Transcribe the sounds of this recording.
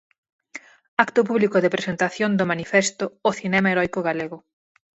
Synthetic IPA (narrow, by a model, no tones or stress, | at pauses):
akt̪ʊp̬uβlikʊðɪpɾesent̪aθjond̪omanifest̪ʊːθinɛmaeɾɔjkʊɣaleɣʊ